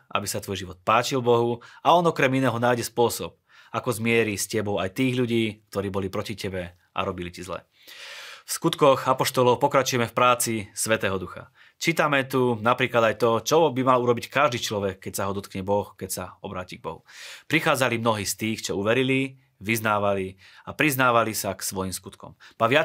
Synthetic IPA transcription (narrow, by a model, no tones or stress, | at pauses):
ʔa̰bisat̪ʋɔjʒiʋɔt̪̚paːt͡ʃilbɔɦuaɔnɔkɾɛminɛːɦɔnaːjɟɛspʊɔsɔp̚ | akɔzmɪɛɾiscɛbɔʊajt̪iːɣʎuɟiːkt̪ɔɾiːbɔlipɾɔcicɛbɛ | ʔa̰ɾɔbilicizlɛ̰ | fskut̪kɔxapɔʃt̪ɔlɔʊpɔkɾat͡ʃujɛmɛfpɾaːt͡sisʋɛt̪ɛːɦɔd̪uxa̰ | t͡ʃiːt̪amɛt̪unapɾiːklad̪ajt̪ɔt͡ʃɔbimaluɾɔbickaʒd̪iːt͡ʃlɔʋɛkːɛcsaɦɔd̪ɔt̪kɲɛbɔxkɛcsaɔbɾaːciɡ̚bɔɦṵpɾixaːd͡zalimnɔɦiːst̪iːxt͡ʃɔuʋɛɾili | ʋiznaːʋali | apɾiznaːʋalisaksʋɔjimskut̪kɔ̰mpaʋɪa